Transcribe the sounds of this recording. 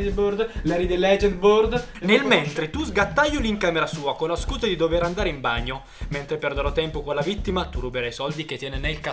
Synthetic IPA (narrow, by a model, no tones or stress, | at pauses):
boɾd̪lɛɾid̪elːɛd͡ʒent̪bord̪ | nelment̪ɾet̪uzɡat̪ːajːoliŋkaːmeɾasuːakonlːaskuːzad̪id̪oveɾand̪aːɾeimbaɲːo | ment̪ɾeperd̪eɾɔt̪ːɛmpokonlavit̪ːimat̪urubeɾajsɔld̪ik̟et̪ːjɛːnenelka